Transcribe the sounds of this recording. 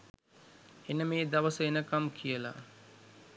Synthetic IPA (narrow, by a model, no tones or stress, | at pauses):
enəmeːd̪aʋəsəenəkamkʰijəla̰